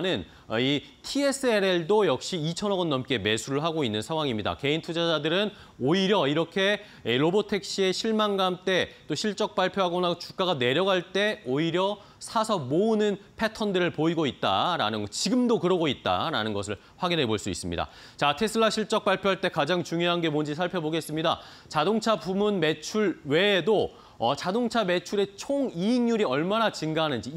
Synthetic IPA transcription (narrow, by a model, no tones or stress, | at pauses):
nɯn | i | tʰie̞s͈ɯeɾe̞ɭdojʌk̚ɕ͈iːt͡ɕʰʌnʌɡʌnːʌmk͈e̞me̞sʰuɾɯɭɦaɡoinːɯnsʰaŋwaŋimɲida̰ke̞intʰud͡ʑad͡ʑadɯɾɯn | oiɾjʌiɾʌkʰe̞ | ɾobotʰe̞k̚ɕ͈ie̞ɕʰiɭmanɡamt͈e̞t͈oɕʰiɭt͡ɕ͈ʌk̚p͈aɭpʰjoɦaɡʌnat͡ɕuk͈̚aɡane̞ɾjʌɡɦaɭt͈e̞oiɾjʌ | sʰasʰʌmonɯnpʰe̞tʰʌndɯɾɯɭpoiɡoit̚t͈a̰ɾa̰nɯnɡʌt͡ɕiɡɯmdokɯɾʌɡoit̚t͈a̰ɾa̰nɯnɡʌs̬ʰɯɭ | ɸwaɡinɦe̞boɭs͈uḭs͈ɯmɲḭda̰ | t͡ɕatʰe̞sʰɯɭːaɕʰiɭt͡ɕ͈ʌk̚p͈aɭpʰjoɦaɭt͈e̞kad͡ʑaŋt͡ɕuŋjoɦanɡe̞mond͡ʑisʰaɭpʰjʌboɡe̞s͈ɯmɲida̰ | t͡ɕadoŋt͡ɕʰapumunme̞t͡ɕʰuɭwe̞ːdo | ʌt͡ɕadoŋt͡ɕʰame̞t͡ɕʰuɾe̞t͡ɕʰoŋiiŋɲuɾiʌɭmanat͡ɕiŋɡaɦanɯnd͡ʑi